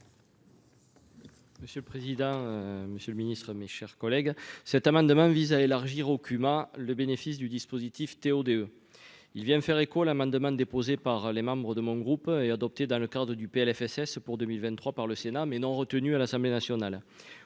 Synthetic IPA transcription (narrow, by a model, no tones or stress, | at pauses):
məsjələpχezid̪ɑ̃øməsjələminist̪χəmeʃɛʁkɔlɛɡsɛt̪amɑ̃d̪əmɑ̃vizaelaʁʒiʁokʰymaləbenefis̬d̪yd̪ispozit̪ift̪eod̪eø | ilvjɛ̃fɛʁekoalamɑ̃d̪əmɑ̃d̪epozepaʁlemɑ̃bʁəd̪əmɔ̃ɡʁupɛad̪ɔp̚t̪ed̪ɑ̃ləkad̪ʁəd̪ypeɛlɛfɛsɛspuʁd̪əmilvɛ̃nt̪χwapaʁləsenamɛnɔ̃ʁət̪ənyalasɑ̃mblenasjɔnal